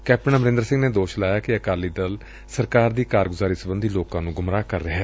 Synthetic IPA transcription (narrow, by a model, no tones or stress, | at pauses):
kɛːp̚ʈənaːməɾɪ̃nd̪əɾsɪ̃ŋɡneːd̪oːʃlaːjaːkɪəkaːliːd̪əl | səɾkaːɾd̪iːkaːɾɡʊzaːɾiːsəbənd̪iːloːkãːnũːɡʊmɾaːkəɾəɦɛː